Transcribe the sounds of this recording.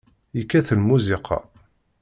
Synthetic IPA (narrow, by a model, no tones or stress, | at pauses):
ikːæθəlmuzɪqʰɑ̰